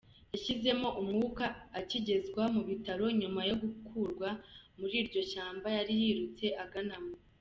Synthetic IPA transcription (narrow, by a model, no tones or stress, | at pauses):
jaʃize̞mo̞ʔumŋuːkaːciɟe̞zɡwamuβitaɾo̞ɲumajo̞ɡukʰuːɾɡwamuɾiːɾɟo̞ʃaːmbajaɾijiːɾut͡se̞ʔaɡanamo